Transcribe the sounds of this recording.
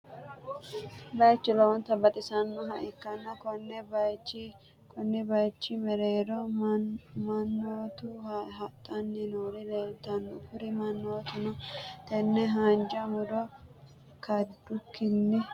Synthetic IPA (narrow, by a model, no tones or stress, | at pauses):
bɐjt͡ʃːɪlɔwɔnt̪ɐbɐt̪ʼɪsɐnːɔɦɐʔɪkːɐnːɐkɔnːɛbɐjt͡ʃː | kʰɔnːɪbɐjt͡ʃːɪmɛɾeːɾɔ | mɐnːoːt̪ʊɦɐt̪ʼːɐnːɪnoːɾɪleːlt̪ːɐnːʊkʊɾɪmɐnːoːt̪ʊnɔt̪ɛnːɛɦɐnd͡ʒɐmʊd̪ɔ | kɐd̪ːʊkːɪnːɛ